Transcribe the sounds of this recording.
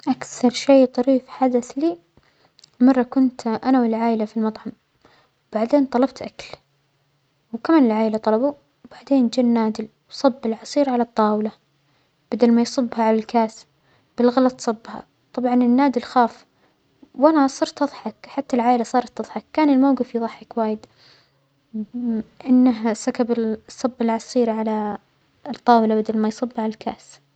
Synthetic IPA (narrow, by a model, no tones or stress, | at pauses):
ʔakθɑɾˤʃeːt̪ˤɑɾiːfħad̪aθli | mɑrˤːɑkʊnt̪ʔanawɪlʕaːʔɪlafilmɑt̪ˤħɑm | wb̥aʕd̪eːnt̪ˤɑlɑbt̪ʔakl | wkamaːnɪlʕaːʔɪlat̪ˤɑlɑbu | b̥aʕd̪eːnd͡ʒɪnːaːd̪ɪl | wsˤɑbːɪlʕɑsˤiːɾʕalɑt̪ˤːɑːwla | b̥ad̪almajsˤɨbːhaʕalalkaːsb | b̥ɪlɣɑlɑt̪ˤsˤɨbːha̰ | t̪ˤɑbʕɑnɪnːaːd̪ɪlxaːf | wʔanasˤɑːɾˤt̪ʔɨðˤħɑkħat̪ːalʕaːʔlasˤɑːɾˤɑt̪ːɑðˤħɑkːaːnɪlmawɡɪfjðˤɑħːɪkwaːjɪd̪ | ʔɪnːaɦasakabɪsˤːɑbːɪlʕɑsˤiːɾʕala | t̪ˤːɑːwɪlabad̪almajsˤɨbːaʕalalkʰa̰ːs